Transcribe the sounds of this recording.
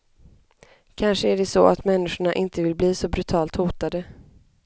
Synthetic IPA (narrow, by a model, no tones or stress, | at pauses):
kʰanʂəæɖɛsɔʔa̰t̪mɛnːɪʂʊɳaʔɪnt̪əvɪlbliːsɔbɾɵt̪ʰɑːlt̪huːt̪ad̪ə